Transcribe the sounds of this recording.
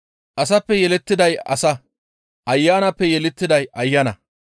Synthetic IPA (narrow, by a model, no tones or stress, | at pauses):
ʔɐs̬ɐpːɛjɛlɛt̪ːɪd̪ɐjɐ̰sɐ | ʔɐjːaːnɐpːɛjɛlɛt̪ːɪd̪ɐjɐjːɐnɐ